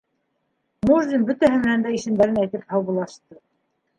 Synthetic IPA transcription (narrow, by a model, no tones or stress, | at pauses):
muʒd̪ʲimbɵt̪æɦɘmɘ̆nænd̪æiʃɘ̆md̪æɾɘnæjt̪ɘphɑwβɤ̆lˠɑʃt̪ɤ